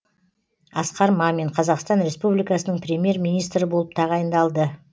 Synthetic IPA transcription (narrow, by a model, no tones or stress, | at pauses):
ɑsqɑɾmɑme̞ɴqʰɑzɑqst̪ɑnɾe̞spublijkɑsənəɴpɾʲe̞mije̞ɾmijnijst̪ɾɪbolˠəp̚t̪ʰɑʁɑjənd̪ɑlˠd̪ə